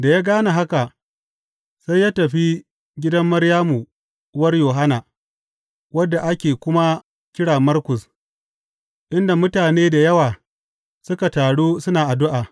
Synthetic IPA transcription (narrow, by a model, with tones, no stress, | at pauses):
da˨jaː˦ɡaː˦na˨ɦa˦ka˨ | sa˦jːaː˦tɐ˨ɸi˦ | ɡʲɪ˦dɐ˦mːɐ˦ɾjaː˦mu˨˦ | wɐ˦rjoː˨ɦa˦naː˨ | wɐ˦dːa˨ʔa˦kʲeː˨kʷʊ˦ma˦ | kʲɪ˦ɽaː˨mɐ˦rkʷʊ˨s | ʔɪ˦nda˨mʊ˦taː˨neː˦da˨jɐ˦waː˨ | sʊ˦ka˨taː˨ɽuː˦sʊ˦naː˨ʔa˨dʊ˦ʔaː˨